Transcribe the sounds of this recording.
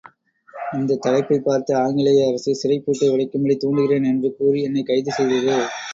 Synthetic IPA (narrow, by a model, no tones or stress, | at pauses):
ɐnd̪ɐt̪ːɐlɐɪpːɐɪpaːɾt̪ɐaːŋɡɪɭɐjɐːɾɐsɯsɪɾɐɪpːuːʈːɐɪʋɐɽɐɪkːɯmɐɭit̪uːɳɖɯɣɪreːnɛndrɯkuːriɛnːɐɪkɐɪðɯsɛjðɐðɯ